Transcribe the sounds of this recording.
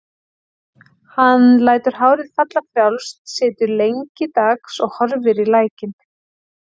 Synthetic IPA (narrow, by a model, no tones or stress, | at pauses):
hanlaːjt̪ʏɾ̥ɦaːwɾɪðfat̪lafɾjawlst̪sɪːt̪ʏɾlejɲcɪt̪aksɔɣhɔɾvɪɾilaːjcɪn